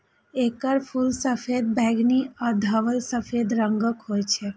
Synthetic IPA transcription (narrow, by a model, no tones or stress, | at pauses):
ekəɾpʰulsəfʰed̪̚bɛɡniəd̪ʱəʋəlsəfʰed̪ɾəŋɡəkɦoːjt͡ʃʰe